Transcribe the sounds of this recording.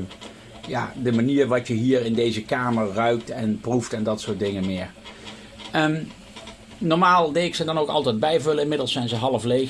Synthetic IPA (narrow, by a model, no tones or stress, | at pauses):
ja̰ːdəmaniːɹʋɑtjəɦiːɹɪndejzəkaːməɹːœɥk̚tɛnpruftɛndɑtsʊːɹt̚dɪŋənmɪːɹ | ə | nɔɹmaːlˠdɛɪksədɑnowkɑ̰lˠtɛjd̚bɛjvɵləɪnmɪdəlˠsɛjnzəɦɑlˠəflej